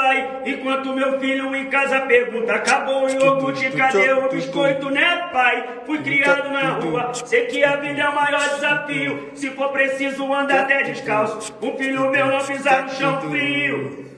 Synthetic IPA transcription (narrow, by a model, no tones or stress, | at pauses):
aj | ẽkwɐ̃nt̪ʊmewfiʎʊẽkazɐpeɾɡũnt̪ɐkabowɪ̃okut͡ʃikad̪ewiʃkojt̪ʊnẽpaj | fujkɾiad̪ʊnɐhuɐsekɪavĩd̪amajɔd͡ʒɪzafiʊsɪfoɾpɾesizʊɐ̃nd̪aɾt̪ɛd͡ʒɪʃkãwsʊ | ʊfiʎʊmewnɐ̃w̃mizaɾnʊʃɐ̃w̃fɾiʊ